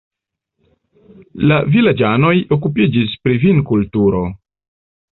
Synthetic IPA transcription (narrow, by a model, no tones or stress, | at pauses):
lavilad͡ʒano̞jo̞kupid͡ʒispɾivinkultuɾo̞